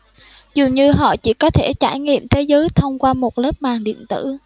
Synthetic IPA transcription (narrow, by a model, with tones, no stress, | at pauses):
zɨ˨˩ŋɲɨ˧ɦɔ̰˧˨t͡ɕḭ˧˩kɔ˨˦t̪ʰe˧˩t͡ɕaː˧˩jŋḭ˧˨əmt̪ʰe˨˦zəː˨˦jt̪ʰə˧wŋ͡mkwaː˧mo˨˩t̚ləː˦˥p̚maː˨˩ŋɗḭ˧˨ənt̪ɨ̰˧˨